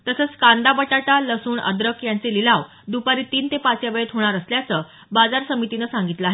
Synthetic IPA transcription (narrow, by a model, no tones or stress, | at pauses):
t̪əsəːt͡skand̪abəʈaʈaləsuːɳə̰d̪ɾəkjant͡selilaʋ | d̪upaɾiːt̪iːnt̪epat͡sjabəɭet̪ɦoɽ̃aɾəsljat͡sə | bad͡zaɾsəmit̪inəsaŋɡit̪ləaɦe